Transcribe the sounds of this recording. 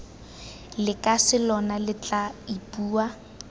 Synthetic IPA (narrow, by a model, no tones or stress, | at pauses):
lɪkʼasɪlɔnalɪt͡ɬʼaipʼuːa